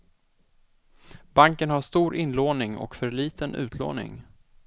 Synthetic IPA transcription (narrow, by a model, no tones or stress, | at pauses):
baŋkənhaʂt̪uːɾʔɪnloːnɪŋɔ̰kfœɾɭiːt̪ənʉ̟̰ːt̪ʰlo̰ːnɪ̰ŋ